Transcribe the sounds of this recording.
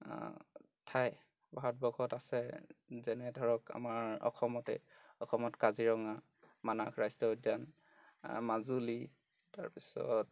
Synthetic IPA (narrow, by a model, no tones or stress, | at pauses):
tʰaj | baɦɔtbɔkʰɔtasɛzɛnɛdʱɔɹɔka̰maɹɔ̰xʰɔmɔtɛ̰ | ɔxɔmɔtkaziɹɔŋa | manakʰɹajstɔdan | mazuli | ta̰ɹpisɔ̰t̚